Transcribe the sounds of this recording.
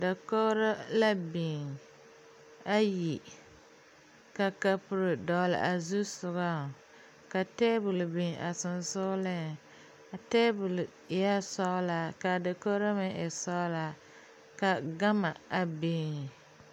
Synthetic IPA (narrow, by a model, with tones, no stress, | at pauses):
da˨ko˦ɾa˦la˦bi˨ŋ | a˦ji˨ | ka˨ka˨pʊ˨ɾɨ˨dɔ˨lɪ̰˨ʔa˨zu˦sʊ˨ɣa˦˨ | ka˨te˦bʊ˨lbi˨ŋʔa˨sɨ˨nsʊ˦lɨ˦ | a˨te˦bʊ˨l | ja˦sɔ˦la˨ka˨da˨ko˦ɾa˦mɪ˦ʔɛ˨sɔ˦la˦ | ka˨ɡa˦ma˨a˨biː˦ŋ˨